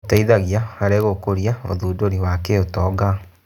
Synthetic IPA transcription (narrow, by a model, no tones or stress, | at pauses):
taiðaɣjaaɾeɣokoɾjao̰ðuːdoɾiwakeotɔɡa